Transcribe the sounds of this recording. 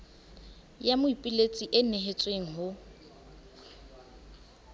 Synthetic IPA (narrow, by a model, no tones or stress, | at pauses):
jamʊipʼilet͡sʼiʔɪneɦet͡sʼweŋ̩ɦʊ